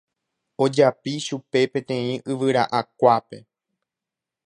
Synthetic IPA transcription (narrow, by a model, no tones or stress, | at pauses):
o̞d͡ʒapiʃupe̞pẽ̞t̪ẽ̞ĩʔɨʋɨɾa̰ʔakʷape̞